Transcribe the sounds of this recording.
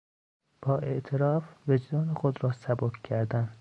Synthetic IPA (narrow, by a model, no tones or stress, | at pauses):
b̥ɒːʔe̞ʔt̪ʰeɾɒːfve̞d͡ʒd̪ɒːnexod̪ɾɒːsæbokcʰæɾd̪æn